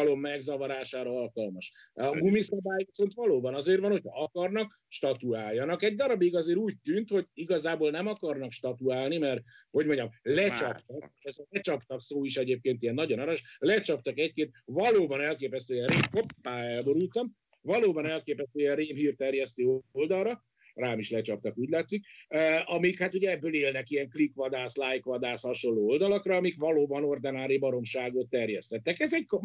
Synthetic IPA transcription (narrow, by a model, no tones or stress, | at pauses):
lo̞mːɛɡzɒvɒɾaːʃaːɾɒɒlkɒlmɒʃ | ɒɡumisɒbaːjkiso̞nt̪ʋɒloːbɒnɒzeːrʋɒnho̞cʰɒɒkɒrnɒk | ʃt̪ɒt̪uaːlːɒnɒkɛɟd̪ɒɾɒbiɡɒzeːɾuːc̚t̪ynt̪ho̞ɟiɡɒzaːboːlnɛmɒkɒrnɒkʃt̪ɒt̪uaːlnimɛrho̞ɟmo̞ɲɟɒmlɛt͡ʃɒpt̪ɒɛzɛt͡ʃɒpt̪ɒksoːiʃɛɟeːp̚keːnt̪ijɛnːɒɟo̞nɒɾɔʃlɛt͡ʃɒp̚t̪ɒkɛckeːt̪̚vɒloːbɒnɛlkeːpɛst̪øːjɛreːmkopːaːɛlbo̞ɾult̪ɒm | vɒloːbɒnɛlkeːpɛst̪øːjɛreːmɦiːrt̪ɛrjɛst̪øːold̪ɒlrɒ | raːmiʃlɛt͡ʃɒp̚t̪ɒkuːɟlaːt̪sik̚ːɒmikhat̪uɟɛɛbːøːleːlnɛkiɛŋklikʋɒd̪aːslajkʋɒd̪aːshɒʃo̞nːoːold̪ɒlɒkrɒːmikʋɒloːbɒno̞rd̪ɛnaːɾibɒɾo̞mʃaːɡot̪ːɛrjɛst̪ɛt̪ːɛkɛzɛɟk